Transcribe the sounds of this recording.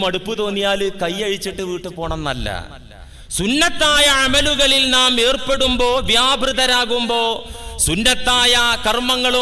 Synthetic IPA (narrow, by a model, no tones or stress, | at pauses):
mɐɽupːut̪o̞ːnːijaːlɨkɐjːɐɻit͡ɕːiʈːɨʋiːʈːɨpo̞ːɳɐmnɐlːɐ̰ | sunːɐt̪ːaːjɐɐmɐluɣɐɭilnaːme̞ːrpe̞ɽumbo̞ːʋjaːbʱrɨðɐɾaːɣumbo̞ːsunːɐt̪ːaːjɐkɐrmɐŋːɐɭu